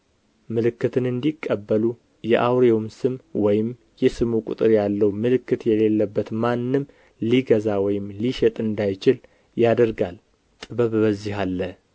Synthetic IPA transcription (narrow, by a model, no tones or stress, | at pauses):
mɨlɨkːɨt̪ʰɨnɨnd̪ikʼːəbːəlu | jɛʔawɾeomsɨmwɔjɪm | jɛsɨmukʷʼʊ̰t̪ʼɨɾjalːəwmɨlɨkːɨt̪jɛle̞lːəbːət̪manːɨm | liɡəzawɔjɪmliʃɛt̪ʼɨnd̪ajt͡ʃɪl | jad̪əɾɡal | t̪ʼɨβəβbəzːihalːə